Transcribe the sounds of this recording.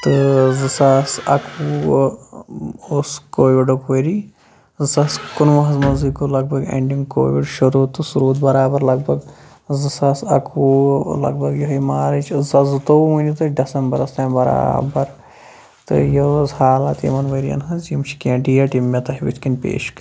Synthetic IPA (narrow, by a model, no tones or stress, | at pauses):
t̪ɨzɨsasɐkʰu | oːskoːʋiɖokʋɐɾi | zɐskunʋɐɦɐzmɐnzikulɐɡ̚bɐɡḛɳɖiŋɡko̰ːʋiɖʃuɾuːt̪ːɨsuɾuːt̪bɐɾaːbɐɾlɐɡ̚bɐɡ | zɨsɐsɐ̰kʰulɐ̰ɡ̚bʱɐɡjoɦɐjmaːɾɐt͡ʃzɐzɨt̪omunʲit̪ɨɖɐsɐmbɐɾɐst̪ɐːmbɐɾa̰ːbɐɾ | t̪ɨ̰jozhaːlɐt̪ḭmɐnʋɐɾijɐ̰nɦɐzjimt͡ʃʰi̥kʲẽːʈijɐʈimːʲɐt̪ɐɦiʋḭt͡ʃʰkinʲpʲḛːʃk